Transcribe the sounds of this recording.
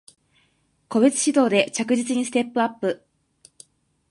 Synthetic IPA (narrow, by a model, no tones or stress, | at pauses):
ko̞be̞t͡sɨ̥ɕid̪o̞ːd̪e̞t͡ɕakɯ̟ʑit͡sɨɲ̟isɨ̥t̪e̞pːɯ̟apːɯ̟